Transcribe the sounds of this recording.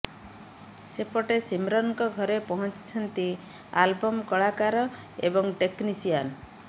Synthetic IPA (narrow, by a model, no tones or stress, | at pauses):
sepɔʈesimɾɔnkɔɡʱɔɾepɔɦɔnt͡ʃi̥t͡ʃʰɔnt̪i | albɔmkɔɭakaɾɔ | ḛbɔŋʈeknisijan